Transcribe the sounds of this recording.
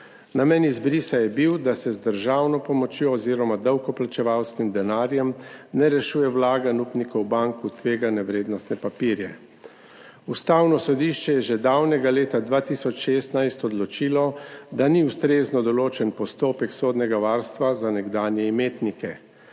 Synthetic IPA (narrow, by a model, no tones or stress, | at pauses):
namɛnizbɾisajɛbiwd̪asɛzd̪əɾʒaːwnɔpɔmɔt͡ʃjoɔziːɾɔmad̪əwkɔplat͡ʃɛʋawskimd̪ɛnaːɾjɛmnɛɾɛʃuːjɛwlaːɡanupnikɔwbaŋkut̪ʋeːɡanɛʋɾeːd̪nɔst̪nɛpapiːɾjɛ | ust̪aːwnɔsɔd̪iʃt͡ʃɛjɛʒɛd̪awnɛɡaleːt̪ad̪ʋaːt̪isɔt͡ʃʃeːst̪najst̪ɔd̪lɔt͡ʃilɔd̪aniust̪ɾeːznɔd̪ɔloːt͡ʃɛnpɔst̪oːpɛksoːd̪nɛɡaʋaːɾst̪ʋazanɛɡd̪aːnjɛimeːt̪nikɛ